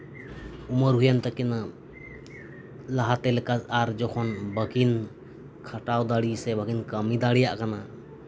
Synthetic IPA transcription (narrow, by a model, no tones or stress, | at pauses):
uməɾɦujant̪akina | laɦat̪ɛlɛkasaɾd͡ʒɔkʰɔnbəkin | kʰaʈawd̪aɽisɛbəɡinkəmid̪aɽɛjaʔkana